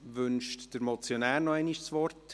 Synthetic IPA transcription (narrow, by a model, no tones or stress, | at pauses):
ʋʏnʃtd̥əɾmɔt͡sjonæːɾnɔɛɪniʃsʋɔrt